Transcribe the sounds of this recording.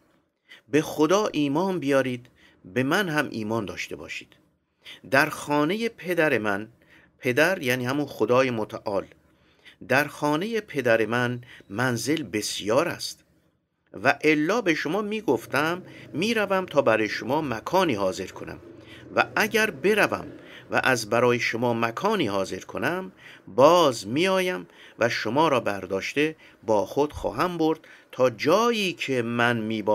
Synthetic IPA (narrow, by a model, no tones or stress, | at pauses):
be̞xod̪ɒːʔiːmɒːnbijɒːɾiːd̪ | be̞mænhæmʔḭːmɒːnd̪ɒ̰ːʃt̪ʰe̞bɒ̰ːʃiːd̪̥ | d̪æɾxɒːne̞je̞pʰe̞d̪æɾe̞mæn | pʰe̞d̪æɾjæːniːhæmunxod̪ɒːje̞mot̪ʰæʔɒːl | d̪æɾxɒːne̞je̞pʰe̞d̪æɾemænmænze̞lbe̞sjɒːɾæ̰st̪ | væʔelːɒːbe̞ʃomɒːmiːɡoft̪æmːiːɾævæmt̪ʰɒːbæɾɔːjeʃomɒːmækʰɒːniːhɒːze̞ɾkʰo̞næ̰mvæ̰æɟæɾbe̞ɾævæ̰mvæ̰ʔæzbæɾɒːjeʃomɒːmækʰɒːniːhɒːze̞ɾkʰo̰næmbɒːzmiːɒːjæm | væʃomɒːɾɒːbæɾd̪ɒːʃt̪e̞ | bɒːxod̪̥xɒ̰ːɦæmboɾd̪̥t̪ʰɒːd͡ʒɒːjiːcʰe̞mænmiːb